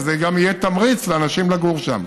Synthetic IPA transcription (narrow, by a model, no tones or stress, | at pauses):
zeɡamijet̪amʁit͡sleanaʃimlaɡuʁʃa̰m